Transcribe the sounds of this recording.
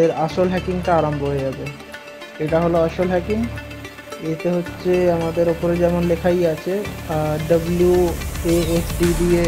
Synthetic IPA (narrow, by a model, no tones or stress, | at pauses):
eɾaʃolɦɛkiŋʈaaɾamboɦojed͡ʑabe | eʈaɦoloaʃolɦɛkiŋ | et̪eɦotːɕʰeamad̪eɾopoɾed͡ʑɛmonlekʰajat͡ɕʰeɖəbuljueesɖiɖie